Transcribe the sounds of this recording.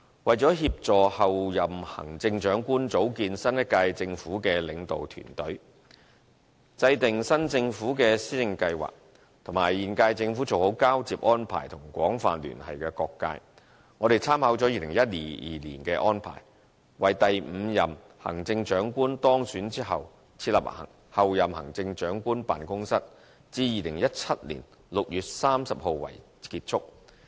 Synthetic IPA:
wɐ˨jt͡sɔː˨˥ɦiː˧p̚t͡ʃɔː˨hɐ˨wjɐ˨mhɐ̰˨˩ŋt͡sɪ˧ŋt͡ʃœː˨˥ŋkuː˥nt͡so˨˥wkiː˧nsɐ˥njɐ˥t̚kaː˧jt͡sɪ˧ŋfuː˨˥kɛː˧lɪ˨˧ŋt̪o˨wt̪ʰy̰ː˨˩nt̪ɵ˨˥ɥ | t͡sɐ˧jt̪ɪ˨ŋsɐ˥nt͡sɪ˧ŋfuː˨˥kɛː˧siː˥t͡sɪ˧ŋkɐ˧jwa̰ː˨k̚ | t̪ʰʊ˨˩ŋmaː˨˩jjiː˨˩nkaː˧jt͡sɪ˧ŋfuː˨˥t͡so˨who˨˥wkaː˥wt͡siː˨p̚ʔɔː˥npʰa̰ː˨˩jt̪ʰʊ˨˩ŋkʷɔː˨˥ŋfa̰ː˨nly̰ː˨˩nhɐ̰˨jkɛː˧kɔː˧kːa̰ː˧j | ŋɔː˨˧d̪e˨jt͡sʰaː˥mhɐ˨˥wt͡sɔː˨˥jiː˨˧lɪ˨˩ŋjɐ˥t̚lḭː˨˩jḭː˨lḭː˨˩nkɛː˧ʔɔː˥npʰa̰ː˨˩j | wɐ˨jt̪ɐ˨jm̩˨˧jɐ˨m | hɐ̰˨˩ŋt͡sɪ˧ŋt͡ʃœː˨˥ŋkuː˥nt̪ɔː˥ŋsyː˨˥nt͡siː˥ɦɐ̰˨w | t͡sʰiː˧t̚lɐ̰˨p̚ɐ̰˨˩ | hɐ˨wjɐ˨mhɐ̰˨˩ŋt͡sɪ˧ŋt͡ʃœː˨˥ŋkuː˥npa̰ː˨nkʊ˥ŋsɐ˥t̚ | t͡siː˧jiː˨lɪ˨˩ŋjɐ˥t̚t͡sʰɐ˥t̚lḭ˨˩n | lʊ˨k̚jyː˨t̚saː˥msɐ˨p̚ho˨wwɐ̰˨˩j | kiː˧t̚t͡ʃʰʊ˥k̚

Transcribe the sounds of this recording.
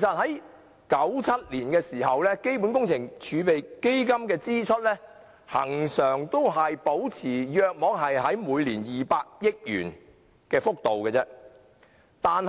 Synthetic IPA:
e˨˩sɐ˨t̚hɐ˨˥j | kɐ˨˥wt͡sʰɐ˥t̚liː˨˩nkɛː˧siː˨˩hɐ˨wlɛː˥ke˥jpuː˨˥nkʊ˥ŋt͡sʰɪ˨˩ŋt͡ʃʰyː˨˧pe˨jke˥jkɐ˥mkɛː˧t͡siː˥t͡ʃʰɵ˥t̚lɛː˥ | hɐ̰˨˩ŋsœː˨˩ŋt̪o˥wɦɐ˨jpo˨˥wt͡sʰiː˨˩jœː˧k̚mɔː˨˥ŋɦɐ˨jɦɐ˨˥jmuː˨˧jliː˨˩njiː˨paː˧k̚jɪ˥k̚jy̰ː˨˩n | kɛː˧fʊ˥k̚t̪o˨wkɛː˧t͡sɛː˥ | t̪aː˨n

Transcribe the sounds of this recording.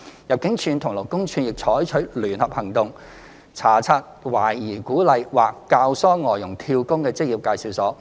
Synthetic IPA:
jɐ˨p̚kɪ˨˥ŋt͡ʃʰyː˧nt̪ʰʊ˨˩ŋlo˨˩wkʊ˥ŋt͡ʃʰyː˨˧njɪ˨k̚t͡ʃʰɔː˨˥jt͡ʃʰɵ˨˥ɥlyː˨˩nhɐ˨p̚hɐ˨˩ŋt̪ʊ˨ŋ | t͡sʰaː˨˩t͡sʰaː˧t̚waː˨˩jjiː˨˩kuː˨˥lɐ˨˧jwaː˨˩kːaː˧wsɔː˥ŋɔː˨jːʊ˨˩ŋt̪ʰiː˧wkʊ˥ŋkɛː˧t͡sɪ˥k̚jiː˨p̚kaː˧jsiː˨wsɔː˨˥

